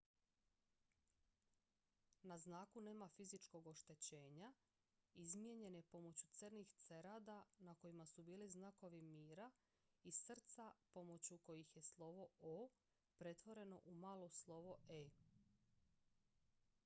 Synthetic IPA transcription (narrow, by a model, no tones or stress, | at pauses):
naznaːkune̞ːmafizit͡ʃko̞ɡo̞ʃt̪e̞t͡ɕe̞ːɲa | izmje̞ɲe̞nepo̞mo̞t͡ɕut̪sərnixt̪se̞ɾaːd̪anako̞jimasubiːliznako̞ʋimiːɾa | isr̩t̪sapo̞mo̞t͡ɕuko̞jixje̞slˠo̞ʋo̞oː | pɾe̞t̪ʋo̞ɾe̞no̞̰ʔumaːlˠo̞slˠo̞ʋoe